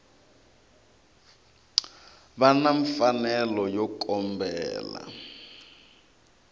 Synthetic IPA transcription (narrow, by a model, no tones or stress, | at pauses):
βanaɱfanɛlɔjɔkʼɔmbɛːla̰